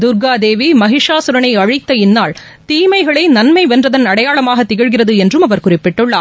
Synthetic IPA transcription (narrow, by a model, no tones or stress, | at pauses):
d̪ʊɾɡaːd̪eːʋimɐɦɪʂaːsʊɾɐɳɐɪɐɻɪt̪ːɐɪnːaːɭ | t̪iːmɐɪɣɐɭɐɪnɐnmɐɪʋɛndrɐðɐnɐɽɐjaːɭɐmaːɣɐt̪ːɪɣɪɻɣɪrɐðɯɛndrɯmɐʋɐɾkʊrɪpːɪʈːɯɭːaː